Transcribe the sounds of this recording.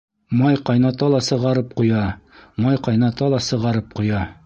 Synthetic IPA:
mɑjqɑjnɑt̪ɑlˠɑsɤ̆ʁɑɾɤp̚qujɑmɑjqɑjnɑt̪ɑlˠɑsɤ̆ʁɑɾɤp̚qujɑ

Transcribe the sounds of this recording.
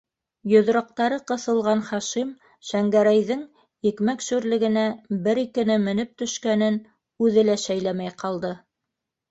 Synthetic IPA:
jŏðɾɑ̆q̚t̪ɑɾɤqɤ̆θɤ̆lˠʁɑnχɑʃim | ʃæŋɡæɾæjðɘŋ | jɘ̆kmækʃʉɾlɘ̆ɡɘ̆næbɘɾikɘ̆nɘmɘ̆nɘp̚t̪ɵ̆ʃkænɘn | ʉðɘlæʃæjlæmæjqɑlˠd̪ɤ

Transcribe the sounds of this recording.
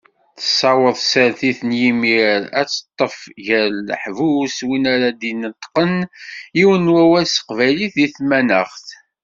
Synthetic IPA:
θə̥sˤːɑwəðˤsəɾθiθənjimiɾæt͡sːə̥t̪ˤːəfʝəɾːħvuswinaɾad̪inət̪ːqəniwənwæwæsə̥qvæliθiθmænəʁθ

